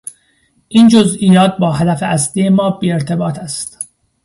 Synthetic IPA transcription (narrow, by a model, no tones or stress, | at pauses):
ʔiːnd͡ʒozʔiːjɒːt̪̚bɒːɦæd̪æfeʔæsliːje̞mɒːbiːeɾt̪ʰe̞bɒːt̪ʰæst̪